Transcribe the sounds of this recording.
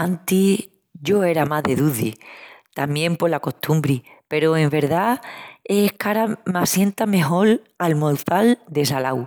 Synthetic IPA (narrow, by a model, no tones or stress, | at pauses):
ant̪i | ʝo̞e̞ɾamaðe̞ðuðḭt̪amjẽ̞mpo̞lako̞ht̪ʰumbɾi | pe̞ɾoe̞mbe̞ɾðaekaɾamasje̞nt̪ame̞ɦo̞l | almolθald̪e̞salaw